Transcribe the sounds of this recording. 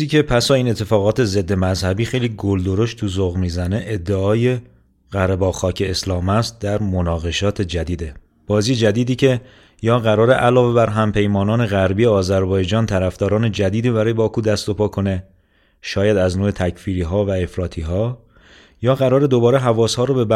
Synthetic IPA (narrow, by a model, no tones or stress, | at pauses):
iːcʰe̞pʰæsɒːiːne̞t̪ʰːe̞fɒːɣɒːt̪ʰe̞ze̞d̪ːe̞mæzhæbiːxe̞jliːɡold̪o̞ɾo̞ʃtt̪ʰuzoɣmiːzæne̞ʔed̪ːeɒːje̞ | ɣæɾebɒːxɒːcʰe̞ːslɒːmæst̪̚d̪æɾmonɒːɣe̞ʃɒːt̪ʰe̞d͡ʒæd̪iːd̪e̞ | b̥ɒːziːjed͡ʒæd̪iːd̪iːcʰe̞ | jɒːɣæɾɒːɾe̞ʔælɒːve̞bæɾɦæmpʰe̞jmɒːnɒːne̞ɣæɾbijeɒːzæɾbɒːjd͡ʒɒːnt̪ʰæɾæfd̪̥ɒːɾɒːne̞d͡ʒæd̪iːd̪iːbæɾɒːjebɒːkʰuːd̪æst̪o̞pʰɒːkʰo̞ne̞ | ʃɒːjæd̪æznoːe̞t̪ʰæcʰfiːɾiːɦɒːvæe̞fɾɒːt̪ʰiːɦɒː | jɒːɣæɾɒːɾe̞d̪o̞bɒːɾe̞ɦævɒːshɒːɾobe̞b